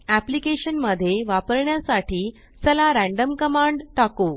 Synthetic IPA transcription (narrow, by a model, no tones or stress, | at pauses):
æplikeɕənməd̪ʱːjeʋapəɾɳjasaʈʰiː | səlaɾæ̃ɳɖəmkəmãɳɖʈako